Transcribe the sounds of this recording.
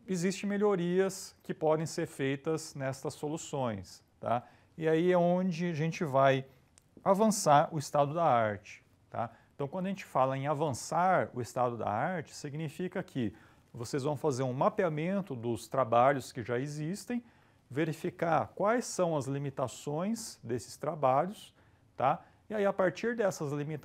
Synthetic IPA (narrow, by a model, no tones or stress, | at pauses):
ezist͡ʃẽj̃meʎoɾiɐskɪpɔd̪ẽj̃seɾfejt̪ɐznɛst̪ɐsːolusõj̃s | t̪a̰ | ɪaiɛõd͡ʒɪaʒẽt͡ʃɪvaj | avɐ̃saɾʊɪst̪ad̪ʊd̪ɐaɾt͡ʃɪ̥ | t̪a̰ẽt̪ɐ̃w̃kʷwɐ̃d̪ʊɐʒẽnt͡ʃɪ̥falɐẽj̃avɐ̃saɾʊɪst̪ad̪ʊd̪a̰aɾt͡ʃɪ̥siɡnifikɐkʰɪ | vosezvɐ̃w̃fazeɾũmapiamẽnt̪ʊd̪ʊst̪ɾabaʎʊskɪʒaezist̪ẽj̃ | veɾifikaɾkwajsɐ̃w̃ɐzlimit̪asõj̃sd̪esɪ̥st̪ɾabaʎʊs | t̪a | ɪaiapaɾt͡ʃiɾd̪ɛsɐzlimit̪